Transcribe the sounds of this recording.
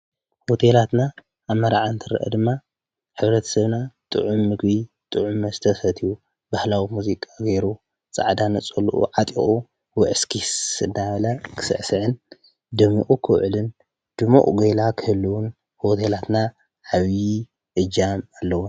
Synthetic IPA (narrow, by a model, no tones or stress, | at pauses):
ho̞t̪ʰelat̪naː | βmːɐɾaʕant̪ʰɨɾɐ̰ʔɐ̰d̪ɨmːa | ħɨβɾɐt̪ʰɐ̥sɐβnat̪ʼɨ̰ʕumːɨɡbi | t̪ʼɨʕumɐzɨt̪ʰɐsɐt̪ʰiju | bahlawimuzikʼaɡeɾu | t͡sʼa̰ʕd̪anɨt͡sʼɐlʔṵʕat̪ʼḭχʼu | wɔʕɨskʰisɨnːaβɐlakʰɨ̥sɨ̰ʕsɨʕɨn | d̪ɨmuʔʼukʰɨwʕlɨn | d̪̥ɨmṵʔʼɡojlakʰɨhɨlːuwun | ho̞t̪ʰelat̪na | ʕaβ | ʔɨd͡ʒamalːɐwun